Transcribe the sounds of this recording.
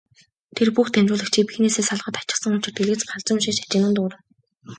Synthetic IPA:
t̪ʰerpuxt̪ʰæmʲt͡ɕʊːɮə̆kt͡ɕʰiːpi̥xneːseːsaɮ̆χə̆t̪ḁt͡ɕɪ̥̆χsə̆ŋʊ̥t͡ɕɪ̆rt̪eɮɘ̆t͡sɢaɮt͡sə̆mʃiːʃat͡ɕɪ̆nə̆nt̪ʊːɾə̆

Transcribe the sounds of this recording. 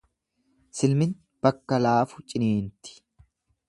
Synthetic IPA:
sɪlmɪn | b̥ɐkːɐlaːfʊ̥t͡ʃʼɪneːnt̪ɪ̥

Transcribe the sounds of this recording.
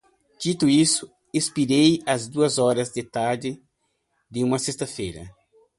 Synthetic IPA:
d͡ʒ̥it̪ʊisʊ | espiɾejɐzd̪uɐzɔɾɐzd̪ɪt̪aɾd̪ɪ | d̪ɪũmɐsest̪ɐfejɾɐ̰

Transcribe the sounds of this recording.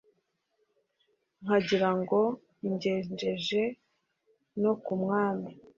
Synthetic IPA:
ŋ̥aɟiɾaŋɡo̞ | iɲɟeːɲd͡ʒe̞ʒe̞ | no̞kumŋaːmi

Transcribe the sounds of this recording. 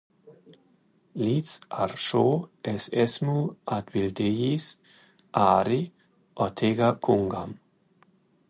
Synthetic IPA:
lit͡saɾʃoːʔɛsɛsmuʔat̪bild̪ejis | ʔaːɾi | ʔɔt̪ʰeɡakʰuŋɡam

